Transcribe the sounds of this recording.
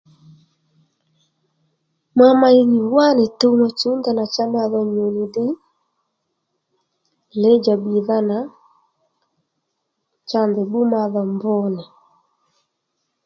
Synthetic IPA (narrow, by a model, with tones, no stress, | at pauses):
ma˦ma˨ji˨ɲi˨wa˦ne˨to˦ma˨t͡ʃu˨˦nda˨na˨t͡ʃa˦m˦a˦ðɛ˨ɲo˨ni˨di˦ | lɛ˦d͡ʒa˨bi˨ða˦na˨˦ | t͡ʃa˦ndɛ˨bu˦ma˨ðɔ˨mbɔ˦nɛ˨